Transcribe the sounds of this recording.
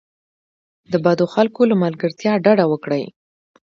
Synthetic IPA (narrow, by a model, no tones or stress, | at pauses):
d̪əbad̪oxalkolamalɡəɾt̪jɑɖaɖawəkɽəj